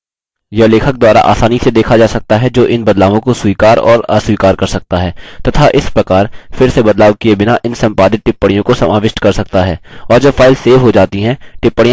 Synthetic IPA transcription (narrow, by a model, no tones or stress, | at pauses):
jɐleːkʰək̚d̪waːɾa̰ʔa̰ːsaːnised̪eːkʰad͡ʒaːsɐk̚t̪aɦɛd͡ʒoːʔɪnbɐd̪laːʋõkosuikaːɾɔ̰ːɾa̰ːsuiːkaːɾkɐɾsɐk̚t̪aɦɛːt̪ɐt̪ʰaʔɪspɾɐkaːɾfɪɾsebɐd̪laːʋkiebɪnaʔɪnsɐ̃mpaːd̪ɪt̪̚ʈɪpːəɽijõkosɐmaːʋɪʃʈkɐɾsɐk̚t̪aɦɛːɔːɾd͡ʒɐbfaːɪlseːfɦod͡ʒaːt̪iɦɛ̃ʈɪpːəɽij̃